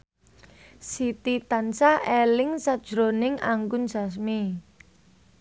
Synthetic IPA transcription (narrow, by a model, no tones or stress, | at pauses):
sit̪it̪ansaelɪŋsad̥ʒ̥ɾonɪŋa̰ŋɡʊnsas̬mi